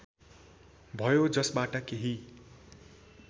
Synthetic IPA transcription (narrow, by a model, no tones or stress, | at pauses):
bʱʌjod͡zʌsbaʈʌkeɦi